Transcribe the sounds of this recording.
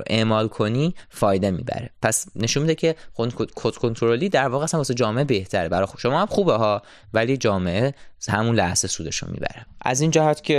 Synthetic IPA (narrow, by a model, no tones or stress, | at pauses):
ʔeʔmɒːlkʰo̞niːfɒːjd̪emḭːbæ̰ɾepʰæsne̞ʃunmid̪ecʰe̞okʰot̪kʰont̪ʰoɾoliːd̪æɾvɒːɣeæsænmbɒːsed͡ʒɒːmeʔebe̞ht̪ʰæɾebæɾɒʃomɒːhæmxuːbeɦɒː | væliːd͡ʒɒːme̞ʔehæmunlæhsesuːd̪e̞ʃo̰mḭbæ̰ɾeʔæ̰zind͡ʒæhæt̪ʰcʰʲe